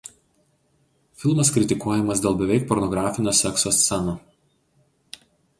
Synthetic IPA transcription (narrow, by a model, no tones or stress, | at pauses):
fʲɪlˠmɐskɾʲɪt̪ʲɪkuɔjɛmɐsd̪ʲeːlˠbʲɛʋʲɛɪk̚pɔɾnɔɡɾaːfʲɪnʲoːsʲɛksoːst̪sʲɛno